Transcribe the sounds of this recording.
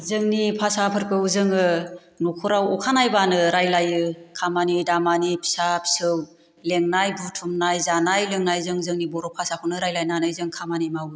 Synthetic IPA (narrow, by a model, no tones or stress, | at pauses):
zɯŋnipʰasapʰɯɾkɯzɯŋɯ | nɔkʰɔɾawɔkʰanajbanɯɾajlajɯkʰamanidamanipʰi̥sapʰi̥sɯw | leŋnajbutʰumnajzanajleŋnajzɯŋzɯŋnibɔɾɔpʰasakʰɯwnɯɾajlajnanɯjzɯŋkʰamanimaw